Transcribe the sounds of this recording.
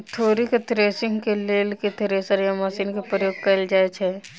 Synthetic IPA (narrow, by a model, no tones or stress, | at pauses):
t̪ʰoːɾiket̪ɾeːsɪ̃ŋɡkeleːlket̪ɾeːsəɾjamasiːnkepɾəjoːɡ̚kɐld͡ʒaːet͡ʃʰɛː